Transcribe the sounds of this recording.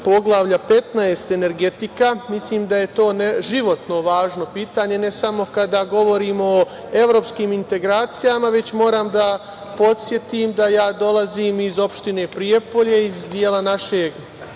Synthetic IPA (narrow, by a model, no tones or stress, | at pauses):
po̞ɡlˠaʋʎape̞t̪naest̪e̞ne̞ɾɡe̞t̪ikamisliːmd̪aje̞t̪o̞ːneʒiʋo̞t̪no̞ʋaːʒno̞piːt̪aːɲe̞ne̞samo̞kad̪aɡo̞ʋo̞ɾiːmo̞ | e̞ʋɾo̞ːpskiːmint̪e̞ɡɾaːt̪sijamaʋe̞t͡ɕmo̞ːɾaːmd̪a | po̞t̪sje̞t̪imd̪ajaːd̪o̞lˠaziːmizo̞pʃt̪ine̞ːpɾije̞po̞ʎe̞izd̪jeːlanaʃeːɡ